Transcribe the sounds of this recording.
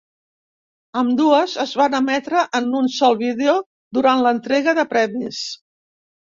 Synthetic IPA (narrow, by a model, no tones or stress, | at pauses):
əmd̪uəzəzβanəmɛt̪ɾəʔənunsɔlˠβiðeo | d̪uɾanlənt̪ɾeɣəðəpɾɛmis